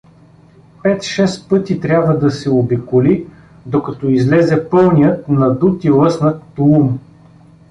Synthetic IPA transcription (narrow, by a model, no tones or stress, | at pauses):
pɛt̪ʃɛspɤt̪it̪ɾʲabvəd̪ɐsɛobikʊli | d̪okɐt̪ɔizlɛzɛpɤlˠnijət̪nɐd̪ut̪ilˠɤsnət̪ːlˠum